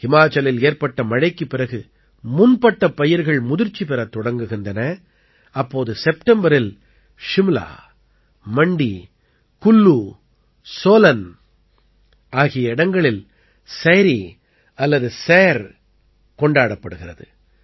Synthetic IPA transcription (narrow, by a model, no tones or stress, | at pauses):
hɪmaːt͡ʃːɐlɪleːɾpɐʈːɐmɐɻɐɪkːɯpːɪɾɐɣɯ | mʊnpɐʈːɐpːɐjɪɾɣɐɭmʊðɪɾt͡ʃːipɪɾɐt̪ːɔɽɐŋɡɯɣɪndrɐnɐ | ɐpːoːðɯsɛpʈɛmbɐɾɪl | ʂɪmla̰ː | mɐɳɖi | kʊlːuː | soːlɐn | aːɣɪjɐɪɽɐŋɡɐɭɪl | seɾi | ɐlːɐðɯseːɾ | kɔɳɖaːɽɐpːɐɽɯɣɪrɐðɯ̰